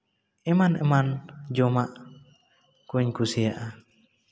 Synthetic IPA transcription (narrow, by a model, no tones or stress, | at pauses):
ɛmanɛ̰mand͡ʒɔmaʔ | kuɲkusijaʔa